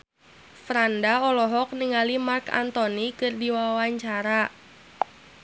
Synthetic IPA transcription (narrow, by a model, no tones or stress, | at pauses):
fɾandaɔlɔɦɔk̚niŋalimarka̰nt̪ɔnikɨrdiwawaɲt͡ʃaɾa